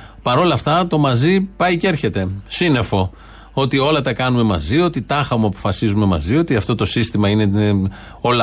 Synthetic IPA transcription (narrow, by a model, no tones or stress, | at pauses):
pɐɾo̞lɐft̪ɐt̪o̞mɐzipɐjce̞ɾçe̞t̪e̞sine̞fo̞ | o̞t̪io̞lɐt̪ɐkɐnume̞mɐzio̞t̪it̪ɐxɐmuɐpo̞̥fɐsizume̞mɐ̰zio̞t̪iɐft̪o̞t̪o̞sist̪imɐine̞ | o̞lɐ